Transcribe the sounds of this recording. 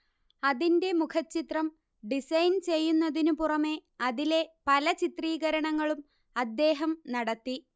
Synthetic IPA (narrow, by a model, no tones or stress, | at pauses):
ɐðinde̞mukʰɐt͡ɕːit̪rɐm | ɖisɐjnt͡ɕe̞jːunːɐðinupurɐme̞ɐðile̞pɐlɐt͡ɕit̪riːɣɐɾɐɳɐŋːɐɭum | ɐd̪ːe̞ːɦɐmnɐɽɐt̪ːi